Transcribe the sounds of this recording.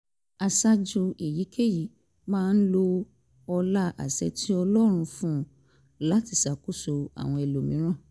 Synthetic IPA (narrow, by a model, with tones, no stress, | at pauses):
a˨sa˦d͡ʒu˧e˨ji˨˦kʰe˦˨ji˨˦ | mãː˦n̩˦lo˧ | ɔ˧la˦ʔa̰˨sɛ˧ti˦ɔ˧lɔ˦ɾ̃ũ˧fũ˦ | la˨˦ti˧˨sa˨ku˦so˧a̰˨w̃ɔ̃˧ɛ˨lo˨mĩ˨˦ɾ̃ã˦˨